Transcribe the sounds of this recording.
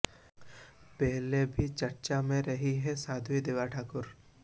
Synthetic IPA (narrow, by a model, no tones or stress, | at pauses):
pɛɦlebʱit͡ʃɐɾt͡ʃamẽɾɐɦiɦɛsaːd̪ʱʋid̪eːʋaʈʰaːkʊɾ